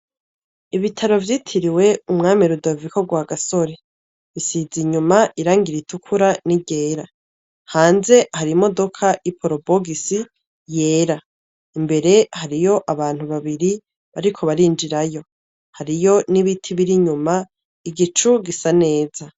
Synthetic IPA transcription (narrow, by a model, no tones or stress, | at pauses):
iβitʰaɾo̞vjiːtʰiɾiwe̞umŋaːmiɾudoviko̞ɡwaːɡaso̞ɾe̞ | βisiziɲumaʔiɾaːŋɡiɾitʰukʰuɾaniɟe̞ːɾa | haːnze̞haɾimo̞do̞kʰaʔipʰoɾo̞bo̞ɡisi | je̞ːɾa | imbe̞ɾe̞haɾijo̞ʔaβaːn̥uβaβiɾi | βaɾikʰo̞βaɾiːnd͡ʒiɾajo̞ | haɾijo̞niβitʰiβiɾiɲuma | iɡit͡ʃuɡisane̞ːza